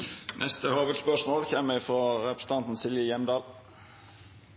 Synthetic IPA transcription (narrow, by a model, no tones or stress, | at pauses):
nʔɛst̪əhoːʋəd̪spœʂmoːlçeːmːəɪfɾoːɾɛpɾəsn̩t̪ʰɑnt̪n̩sɪljəjɛmd̪ɑːl